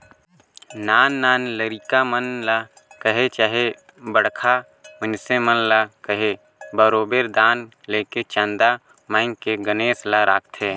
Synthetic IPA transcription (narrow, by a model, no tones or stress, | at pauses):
naːnːaːnləɾiːkamənla | kəɦet͡ʃaːɦe | bəɽkʰa | ʊnsemənlakəɦe | bəɾoːbeːɾd̪aːn | leːket͡ʃãnd̪a | mãːɪŋkeɡəneːslaɾaːk̚ʰt̪ʰɦeː